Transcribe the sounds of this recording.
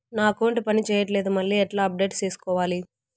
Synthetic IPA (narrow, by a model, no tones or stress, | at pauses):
naːkoːɳʈpɐnit͡ʃɛːjɐʈ̬le̞ːd̪umɐɭːiːɛʈlaːɐp̚ɖe̞ːʈst͡ʃeːsu̥kɔːʋaːli